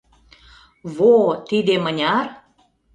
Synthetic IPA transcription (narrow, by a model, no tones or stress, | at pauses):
βot̪id̪emənʲɑr